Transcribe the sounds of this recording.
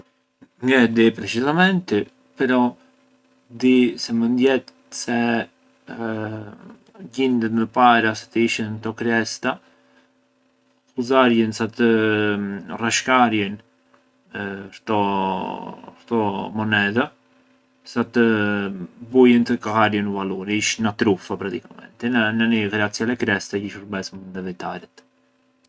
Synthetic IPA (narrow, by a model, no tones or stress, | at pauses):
ŋɡɛd̪ipɾɛt͡ʃizamɛnt̪i | pɛɾɔ | d̪isɛmənd̪jɛt̪ | sɛ | ɟind̪ət̪məpaɾasḁt̪əiʃənt̪ɔkɾɛst̪a | xuzaɾjənsat̪ə | raʃkaɾjɛn | ɾt̪ɔ | ɾt̪ɔmɔnɛða | sat̪ə | bujənt̪əkahaɾjənəvaluɾiʃnat̪ɾufapɾakt̪ikamɛ̰nt̪ɛnanikɾɛat͡sjalɛkɾɛst̪aiʃəɾbɛsmənd̪ɛvɛt̪aɾɛt̪